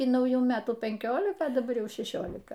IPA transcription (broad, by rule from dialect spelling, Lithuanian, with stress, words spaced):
iː nɐʊˈjuː ˈmʲæːtuː pʲɛŋʲˈkʲoːlʲɪkɐ dɐˈbɐr ˈjɛʊ ʃʲɛˈʃʲoːlʲɪkɐ